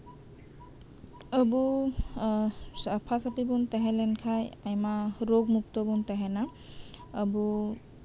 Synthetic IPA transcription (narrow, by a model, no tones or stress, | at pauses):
əbu | sapʰasapibunteɦelenkʰajajmaɾɔɡmuk̚tɔbunteɦenaː | bu